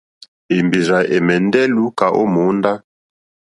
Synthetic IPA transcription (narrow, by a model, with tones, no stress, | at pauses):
e˨mbi˨za˨ʔe˨mɛ˨ndɛ˦lu˦ka˨ʔo˦mo˨˦nda˦